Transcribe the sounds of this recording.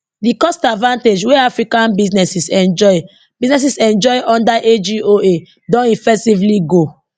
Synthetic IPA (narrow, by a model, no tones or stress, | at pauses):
dikɔstadvãnted͡ʒweafɹikãnbisnɛsisɛ̃nd͡ʒɔɪ | b̥iznɛs̬isɛ̃nd͡ʒɔɪʔɔ̃ndaʔed͡ʒioe | dɔ̃nifɛk̚tivliɡo